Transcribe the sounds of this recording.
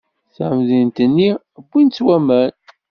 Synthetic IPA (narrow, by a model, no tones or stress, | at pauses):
θʕəmðint̪ənːi | bʷːint͡sːwæmæl